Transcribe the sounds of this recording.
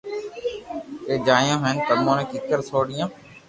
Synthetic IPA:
eːd͡ʒaːjõːɦeːnkəd̪mõːnẽːkik̪əɾsoːɗijãː

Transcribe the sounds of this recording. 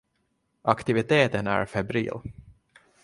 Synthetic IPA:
ʔakt̪ɪvɪt̪ʰeːt̪ənæ̰ɾfɛbɾḭːl

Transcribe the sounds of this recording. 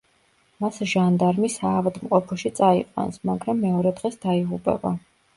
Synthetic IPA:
masʒand̪aɾmisaːvad̪mqʼɔpʰɔʃit̪sʼaḭqʼwa̰nsmaɡɾamːɛɔɾɛd̪ʁɛsd̪̥aiʁupʼɛ̰ba

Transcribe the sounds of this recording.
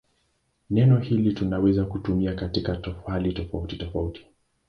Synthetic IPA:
nɛnɔhilitunawɛzakutumiakatikatɔfalitɔfautitɔfauti̥

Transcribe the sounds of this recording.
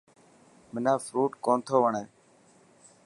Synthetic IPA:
mɪnãːfɾuːʈkoːnt̪ʰoːʋəɳeː

